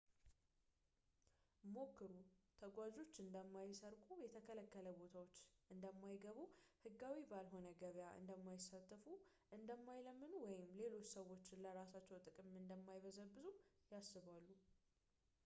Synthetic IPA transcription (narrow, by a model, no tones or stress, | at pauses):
mo̞kːɨɾut̪ʰəɡʷad͡ʒo̞t͡ʃːɨnd̪əmːajsəɾkʼujɛt̪ʰəkʰələkːələbo̞t̪ʰawo̞t͡ʃːʔɨnd̪əmːajɡəβuhɨɡːawibalɦo̞nəɡəβjaʔɨ̰nd̪əmːajɪsːat̪ʼːfu | ʔɨnd̪əmːajləmːɨnuwɔjɪmle̞lo̞t͡ʃːsəwːo̞t͡ʃːɪnləɾasat͡ʃːɛwt̪ʼɨkʼɨmɨnd̪əmːajβəzəβbɨzujasːɨβalːu